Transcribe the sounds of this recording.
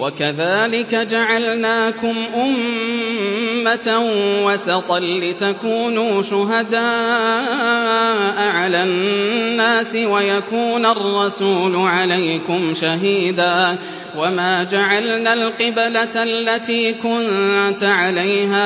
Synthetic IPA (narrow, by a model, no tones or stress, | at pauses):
wakaðaːlɪkad͡ʒaʕalnaːkʊmʔʊm | at̪awasɑt̪ˤɑnːɪt̪akuːnuːʃʊɦad̪aːʔʔ | ʔʕalanːaːsɪwajakuːnarˤːɑsuːlʊʕalajkʊmʃaɦiːd̪aː | wamaːd͡ʒaʕalnaːlqɨblalːat̪iːkʊnt̪aʕalajɦaː